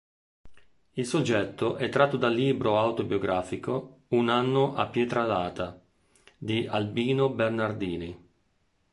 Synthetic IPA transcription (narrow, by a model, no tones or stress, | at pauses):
ilsod͡ʒːɛt̪ːoʔɛt̪ːɾat̪ːod̪alːiːbɾoawt̪objoɡɾaːfikounanːoʔapːjɛːt̪ɾalaːt̪a | d̪iʔalbiːnobernard̪iːni